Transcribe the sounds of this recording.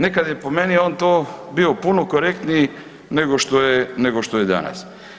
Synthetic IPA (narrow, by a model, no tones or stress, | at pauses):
nekad̪jepomenioːnt̪oːbiopunokoɾek̚t̪niː | neɡoʃt̪ojeneɡoʃt̪ojed̪a̰na̰s